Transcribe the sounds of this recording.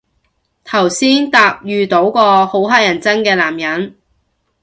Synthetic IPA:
t̪ʰɐ˨˩wsiː˥nt̪aː˧p̚jyː˧t̪o˨˥wkɔː˧ho˨˥wɦaː˥jɐ˨˩nt͡sɐ˥nkɛː˧laː˨˩mjɐ˨˥n

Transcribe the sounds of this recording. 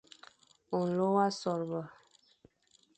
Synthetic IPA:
ɔ˨n̩˨lo˦wa˦sɔ˨ɾbə˨

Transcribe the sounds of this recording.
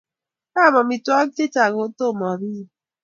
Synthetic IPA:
a˦˨mɔ˨mi˨tu˦ɔ˦te˦ta˨ɣo˨˦to˦˨mɔ˨bi˦

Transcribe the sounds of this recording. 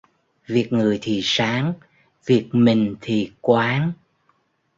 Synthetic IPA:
vi˨˩ək̚ŋɨ˨˩əjt̪ʰi˨˩saː˨˦ŋ | vi˨˩ək̚mï˨˩ŋ̟t̪ʰi˨˩kwaː˨˦ŋ

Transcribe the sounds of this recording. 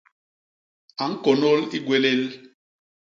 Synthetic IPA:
a˨ŋ̩˦ko˨no˦li˦ɡwe˦le˦l

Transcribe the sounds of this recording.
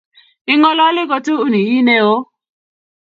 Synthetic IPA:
i˦ŋɔ˦lɔ˦lɪ˦ɡɔ˦to˦u˦ni˨i˦ne˦o˦

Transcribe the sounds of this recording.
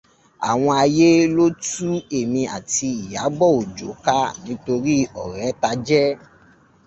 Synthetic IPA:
a̰˨w̃ɔ̃˧a˧je˦lo˦tu˦e˨mĩ˧a̰˨ti˧i˨ja˨˦ɡ͡bɔ˦˨o˨d͡ʒo˨˦ka˦nĩ˨˦to˧ɾi˦ɔ˨ɾɛ˨˦ta˧d͡ʒɛ˦

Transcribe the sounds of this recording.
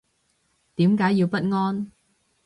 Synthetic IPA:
t̪iː˨˥mkaː˨˥jːiː˧wpɐ˥t̚ŋɔː˥n

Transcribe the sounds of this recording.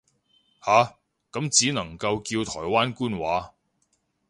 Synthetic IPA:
haː˨ | kɐ˨˥mt͡siː˨˥nɐ˨˩ŋkɐ˧wkiː˧wt̪ʰɔː˨˩jwaː˥nkuː˥nwaː˨˥

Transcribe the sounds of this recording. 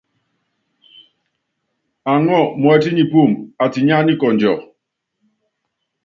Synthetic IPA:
a˨ŋɔ˦˨mɔ˨ɛ˦ti˦ɲi˨pu˦˨ma˨ti˨ɲa˦ni˦kɔ˨nd͡ʒɔ˨

